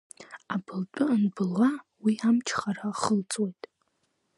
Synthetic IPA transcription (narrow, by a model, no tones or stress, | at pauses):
abʰɨlt͡pʷʼʊnbɨlːawiamt͡ʃʰχaɾaχəlt͡sʼwejtʼ